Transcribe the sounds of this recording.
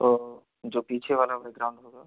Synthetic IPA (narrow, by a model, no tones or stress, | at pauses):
o | d͡ʒoːpiːt͡ʃʰeʋaːlaʋɛɡɾaʊ̃ɳɖɦoːɡaː